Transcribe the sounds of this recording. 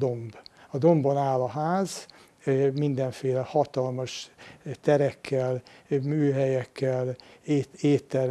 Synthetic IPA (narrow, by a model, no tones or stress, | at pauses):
d̪o̞mbɒd̪o̞mbonaːlɒɦaːz | mind̪ɛɱfeːlɛhɒt̪ɒlmɒʃt̪ɛɾɛkʰːɛlmyːɦɛjɛkːɛleeːt̪ːɛɾ